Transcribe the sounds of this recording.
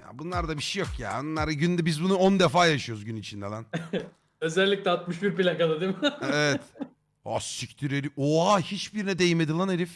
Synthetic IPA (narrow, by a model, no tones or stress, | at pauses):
ja̰ːbunlˠaɾd̪abiʃejokja̰ːbunlˠaɾɟynd̪ɛbizbunuond̪efaːjaʃɯjoɾuzɟynit͡ʃʰind̪ɛlæn | ø̞zɛlʲːic̚lʲɛat̪mɯʃbiɾpilʲakad̪ad̪imɪevɛt̪ | a̰syct̪ʰyɾeɾioahit͡ʃbiɾinɛd̪ejimed̪ilˠaneɾif